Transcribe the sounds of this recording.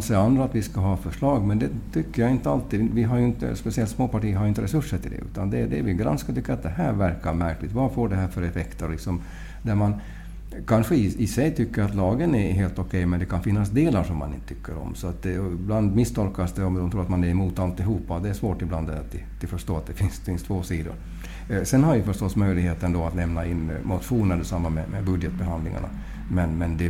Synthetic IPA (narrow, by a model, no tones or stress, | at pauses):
nsɛand̪ɾaːt̪vɪskaɦɑːfœʂɭɑːɡmɛnd̪ɛt̪ʰʏkːəɾjaɪnt̪əalt̪ivɪɦaɾjɵɪnt̪ə̰spɛsɪɛlt̪smoːpaʈiːəɾɦaɾjɪnt̪əɾɛsɵʂːəʈʰɪld̪ɛ̰ʔʉ̰ːt̪and̪ɛd̪ɛvɪɡɾa̰nskat̪ʏkːəɾat̪̚d̪ɛɦæɾvæɾkaɾmæɾklɪt̪vafoːɖɛɦæːɾfœɾɛfɛkt̪əɾɔlɪksɔm | d̪æɾman | kʰanɧəɪɪsɛjt̪ʰʏkːəɾat̪lɑːɡənɛɦeːlt̪ɔkʰɛjmɛnd̪ɛkʰanfɪnːasd̪eːlaʂɔmːanɪnə̥t̪ʰʏ̥kʰːəɾɔ̰msɔat̪̚d̪ɛɔbland̪mɪst̪ʰɔlkasd̪ɛɔmd̪ɔmt̪ʰuːɾat̪manɛɾɛmuːt̪alt̪ɪɦuːpːad̪ɛːʂvoːʈɪbland̪ɛat̪̚d̪ɪd̪̥ɪfœʂʈoːat̪̚d̪ɛfɪnsfɪnst̪ʰvoːsiːd̪ʊ̰ɾ | sɛnhaɾjɵfœʂʈɔsːmœjlɪɡheːt̪ənd̪ɔat̪lɛmnaɪnːmʊt̪ɧuːnæɖ̪ɛsamːamɛmɛbɵd̪jɛt̪̚bɛɦand̪lɪ̰ŋa̰ɳa̰ | mɛnmɛnd̪ɛ